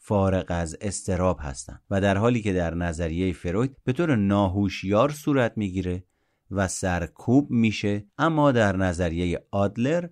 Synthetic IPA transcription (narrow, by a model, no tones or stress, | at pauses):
fɒːɾeɣæze̞st̪e̞ɾɒːbhæ̰st̪æ̰nd̪væd̪æɾɦɒːliːkʰe̞d̪æɾnæzæɾijejefe̞ɾojd̪̚b̥e̞t̪ʰoːɾenɒːɦuːʃjɒːɾsuːɾæt̪ʰmiːɡiːɾe̞ | væsæɾkʰuːbmiːʃe̞ʔæmːɒːd̪æɾnæzæɾijejeɒːd̪le̞ɾ